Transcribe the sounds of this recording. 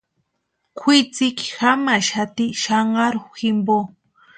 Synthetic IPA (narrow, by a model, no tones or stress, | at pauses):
kʰit͡sɪkxamaʃat̪iʃaɴɢɑɾʊxximbo